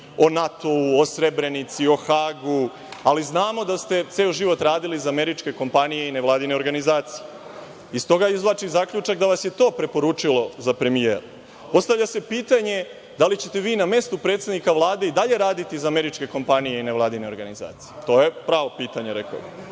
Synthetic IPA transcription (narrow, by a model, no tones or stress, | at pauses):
o̞nat̪o̞uosɾe̞bɾe̞nit̪sio̞xaːɡu | aliznaːmo̞d̪ast̪e̞t̪seːoʒiʋo̞t̪ɾaːd̪iliːzame̞ɾit͡ʃke̞ko̞mpanije̞ineʋlaːd̪ine̞o̞ɾɡanizaːt̪si̥je | ist̪o̞ɡaizʋlˠat͡ʃizakʎut͡ʃakd̪aʋasjet̪o̞ːpɾe̞po̞ɾuːt͡ʂilo̞zapɾe̞mijeːɾu | po̞st̪aʋʎase̞piːt̪aɲe̞ | d̪alit͡ɕe̞t̪e̞ʋiːname̞st̪upɾet̪sed̪nikaʋlˠaːd̪e̞id̪aʎe̞ɾaːd̪it̪iːzame̞ɾit͡ʃke̞ko̞mpanijeineʋlˠaːd̪ine̞o̞ɾɡaniza̰ːt̪sijet̪o̞ːje̞pɾaːʋo̞piːt̪aɲe̞ɾeko̰bi